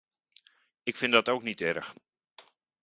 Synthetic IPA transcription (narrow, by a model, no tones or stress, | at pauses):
ɪkfɪndɔtowknitɛrəx